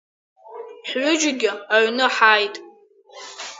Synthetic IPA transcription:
ħɥʷʊd͡ʒɪɡʲɪaɥnɨħajtʼ

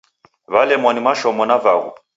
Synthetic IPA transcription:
βalɛmɔnimaʃɔmɔnavaɣṵ

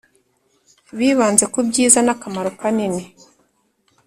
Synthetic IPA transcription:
βiːβaːnze̞kubɟiːzanakamaɾokanine

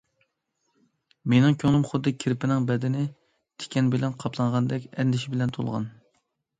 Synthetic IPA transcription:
menɪŋkʲʰøŋlˠɨmχʊd̪ːɨkʲʰiɾpʰɪnɪŋbɛd̪ɪnɪ | t̪ʰe̥kʲɛnbɪlɛnqʰɑpʰlˠɑɴʁɑnd̪ɛkʲɛnd̪ɪʃɪbɪlɛnt̪ʰolˠʁɑ̰n

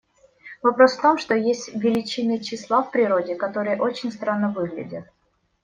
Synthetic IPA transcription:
vɐpɾo̞sft̪o̞mʂt̪o̞jesʲtʲvʲɪlʲɪt͡ɕɪnəjt͡ɕɪslˠafpɾʲɪɾo̞dʲɪkɐt̪o̞ɾɨjəʔo̞t͡ɕɪnʲst̪ɾanːəvɨɣlʲɪ̰dʲət̪̚

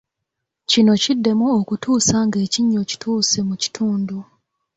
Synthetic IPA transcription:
cino̞cidːe̞muokutʰuːsaŋɡe̞ːciɲːo̞ci̥tʰuːsemuci̥tʰuːndu

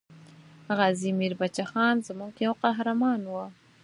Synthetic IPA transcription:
ɣazimiɾbat͡ʃaxɑnzəmuɡjawqaɦɾamɑnwə

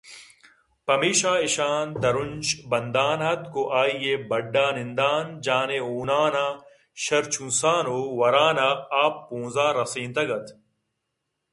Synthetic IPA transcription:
pɐmiːɕaːiɕaːnd̪ɐɾund͡ʑbɐnd̪aːnɦɐt̪koʔaːijebɐɖːaːnind̪aːnd͡ʑaːneoːnaːnaː | ɕɐɾt͡ɕʰũnsaːnoːwɐɾaːnaːpːõːzaːɾɐsĩːnt̪ɐɡɐt̪ʰ

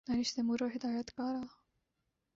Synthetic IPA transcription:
naniʃt̪emuɾoɦɪd̪aːjat̪kɑːɾɑː

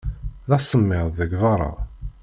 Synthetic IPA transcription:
ðɑsːəmːɪðˤðəɡvɑɾˤɑ̰

